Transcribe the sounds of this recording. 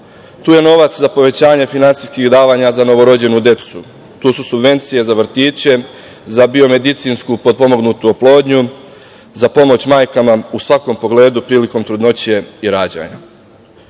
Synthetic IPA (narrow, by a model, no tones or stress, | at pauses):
t̪uːje̞no̞ʋat̪szapo̞ʋe̞t͡ɕaːɲe̞finansijskiɣd̪aːʋaɲazano̞ʋo̞ɾo̞d͡ʑe̞nud̪je̞t̪su | t̪uːsusubʋe̞nt̪sije̞zaʋr̩t̪iːt͡ɕe̞ | zabio̞me̞d̪it̪sinskupod̪̚po̞mo̞ɡnut̪uoplˠo̞ːd̪ɲu | zapo̞mo̞t͡ɕmaːjkamausʋako̞mpo̞ɡle̞ːd̪upɾiːliko̞mt̪ɾud̪no̞t͡ɕije̞iɾaːd͡ʑa̰ːɲa̰